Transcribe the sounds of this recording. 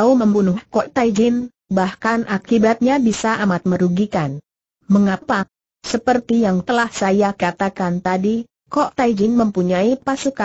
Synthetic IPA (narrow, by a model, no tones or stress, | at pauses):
uməmbunʊhkɔʔt̪aid͡ʒɪn | bahkanʔakibat̪̚ɲabisaʔamat̪̚məɾuɡikan | məŋapa | səpərt̪ijaŋt̪əlahsajakat̪akant̪adi | kɔʔt̪aid͡ʒɪnməmpuɲaipasuka